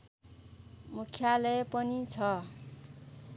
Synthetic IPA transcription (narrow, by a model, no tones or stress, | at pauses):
mukʰːjalʌpʌnit͡sʰʌ